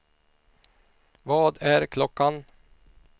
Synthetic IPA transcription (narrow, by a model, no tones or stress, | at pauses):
vɑːd̪æɾkʰlɔkːan